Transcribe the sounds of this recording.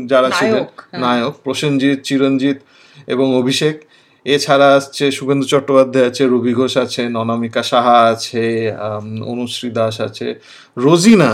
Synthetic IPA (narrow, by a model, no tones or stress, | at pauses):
d͡ʑaɾat͡ɕʰilennajok̚pɾoʃond͡ʑit̪̚t͡ɕiɾond͡ʑit̪ | ḛboŋobʱiʃek | et͡ɕʰaɾaast͡ɕʰeʃubʱend̪ut͡ɕɔʈːopad̪ʱːaeat͡ɕʰeɾobʱiɡʱoʃat͡ɕʰenɔnamikaʃaɦaat͡ɕʰe | o̰nuʃɾid̪aʃa̰t͡ɕʰḛ | ɾod͡ʑina